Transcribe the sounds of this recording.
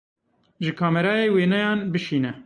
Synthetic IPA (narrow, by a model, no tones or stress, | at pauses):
ʒɨkʰɑːmɛɾɑːjeːweːnɛjɑːnbɨʃiːnɛ